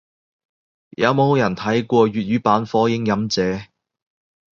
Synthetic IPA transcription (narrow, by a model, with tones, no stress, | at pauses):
jɐ˨˧wmo˨˧who˨˧wjɐ˨˩nt̪ʰɐ˨˥jkʷɔː˧ɥyː˨t̚ɥyː˨˥paː˨˥nfɔː˨˥jɪ˨˥ŋjɐ˨˥mt͡sɛː˨˥